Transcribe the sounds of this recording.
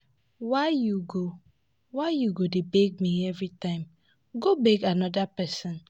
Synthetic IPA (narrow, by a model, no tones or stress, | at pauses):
waɪjuɡo | waɪjuɡodebɛɡ̚miɛvɹitãɪ̃m | ɡobɛɡanɔdapɛsɔ̃n